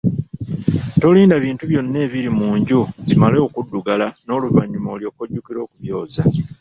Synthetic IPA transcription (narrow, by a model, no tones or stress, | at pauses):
to̞liːndaβiːntuβjo̞nːe̞ːβiɾimuːɲɟuβimaleokudːuɡalano̞ːluvaɲːumo̞ːljo̞ːkoɟːukiɾo̞ːkuβjo̞ːza